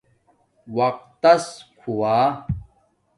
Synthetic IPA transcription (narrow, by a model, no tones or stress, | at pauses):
wɐq̚t̪ːɐskʰuwaː